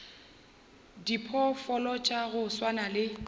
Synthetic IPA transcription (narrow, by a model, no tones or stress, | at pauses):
dipʰɔfɔlɔt͡ʃʼaɣʊswanalɪ